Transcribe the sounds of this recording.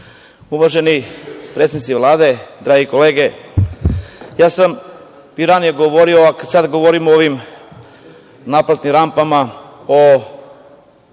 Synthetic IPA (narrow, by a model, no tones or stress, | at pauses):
uʋaʒenipɾet̪snit̪siʋlˠaːd̪e̞d̪ɾaːɡikoleːɡe | jaːsam | piɾanijeɡoʋoɾioakasad̪ɡoʋoɾimoʋim | naplat̪nimɾampama | o